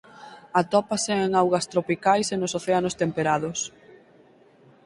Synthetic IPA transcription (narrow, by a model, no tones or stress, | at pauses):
ɐt̪ɔpɐseeŋawɣɐst̪ɾopikajsenʊsoθeanʊst̪empeɾaðʊs